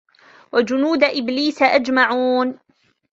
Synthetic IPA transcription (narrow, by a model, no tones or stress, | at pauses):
wad͡ʒʊnuːd̪ʔɪbliːsʔad͡ʒmaʕuːn